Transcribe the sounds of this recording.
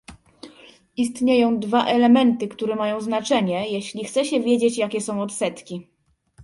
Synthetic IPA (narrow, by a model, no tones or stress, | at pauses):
ist̪ɲejɔ̃w̃d̪vaʔɛlɛmɛnt̪ɘkt̪uɾɛmajɔ̃w̃znat͡ʂɛɲɛjɛɕlʲixt̪sɛɕɛvʲjed͡ʑet͡ɕjakʲɛsɔ̃w̃ɔt̪sɛt̪kʲi